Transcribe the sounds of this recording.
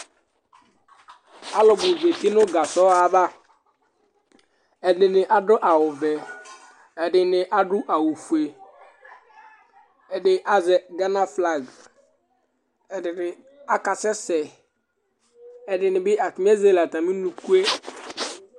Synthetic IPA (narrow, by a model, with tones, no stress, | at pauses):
a˦lɔ˨bʊ˨ve˨t̪i˦nʊ˦ɡa˨sɔ˦a˨ba˦ | ɛ˨dɪ˨nɪ˨ʔa˦ɖʊ˦ʔa˨wʊ˨vɛ˨ | ɛ˨ɖɪ˨nɪ˨ʔa˦ɖʊ˦ʔa˨wu˨fu˨e˨ | ɛ˨dɪ˨ʔa˨zɛ˨ɡa˦na˦fla˨ɡ | ɛ˨dɪ˨nɪ˨ | a˦ka˨sɛ˦sɛ˨ | ɛ˨ɖɪ˨nɪ˨bɪ˦a˨ti˨m˦e˦ze˦la˨t̪a˨mĩ˦nu˨ku˦e˦